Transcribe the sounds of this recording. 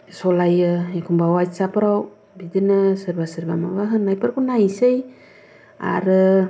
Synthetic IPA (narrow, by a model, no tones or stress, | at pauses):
sɔlajɯekʰumbawajsapɾaw | bidɯnɯsɯɾbasɯɾbamabaɦɯnːajpaɾkunajsej | a̰ɾɯ